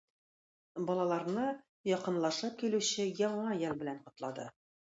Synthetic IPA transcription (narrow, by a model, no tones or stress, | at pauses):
bɒlˠɑlˠɑɾnɤ | jɒqɤ̆nlˠɑʃɤp̚kilʉɕɘjɒɴɑjælbɘ̆lænqŏt̪lˠɑd̪ɤ̰